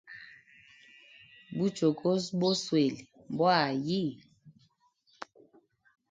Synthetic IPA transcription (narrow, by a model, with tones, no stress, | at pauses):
bu˦t͡ʃo˨kʰo˦s̬bo˦swe˨li˨ | m˨bwa˦˨ji˦˨